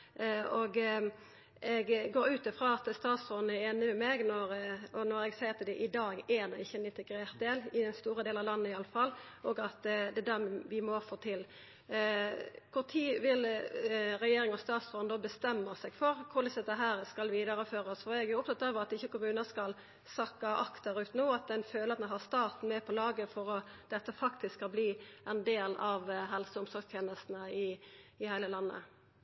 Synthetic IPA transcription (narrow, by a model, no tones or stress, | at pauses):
oɡ | ɛɡɡoːɾʉːt̪ɪfʁɑːɑt̪st̪ɑːt̪sʁɔnnæɾeːnɪmɛmeːɡnɔʁɔnɔɾɛɡsæɪɾɑt̪d̪ɛʔɪd̪ɑːɡænɔɪçːəɛnɪnt̪ɛɡɾeːʁt̪̚d̪eːlɪɛnst̪uːɾəd̪eːlɑʋlɑnːəɪɑlːəfɑl | ʔɔːɡɑt̪d̪ɛd̪æʁmʋɪmofoːt̪ʰɪl | kʰʊʁt̪ʰiːʋɪl | ʁɛjeːɾʁɪŋɔst̪ɑːt̪sʁɔnd̪oːbəst̪ɛmːəsɛɡfɔɾkʰʊd̪ɪsd̪ɛt̪ːəɦæːɾskɑlʋiːd̪ɑʁəføːɾəsfɔɾɛɡæʊp̚t̪ɑt̪ːɑːʋəʁɑt̪ɪçːəkʊmʉːnəskɑl | sɑkːɑʔɑkt̪əɾʉːt̪noːɑt̪̚d̪ɛnføːləɾɑt̪̚d̪ɛnɦɑst̪ɑːt̪n̩mɛpʰɔlɑːɡəfɔɾɔd̪̥ɛt̪ːəfɑkt̪ʰɪskʰːɑlbliːʔɛnd̪eːlɑʋɦɛlsəʊmsɔɾɡst̪ʰjeːnəst̪n̩əɪɪhæɪləlɑnːə̰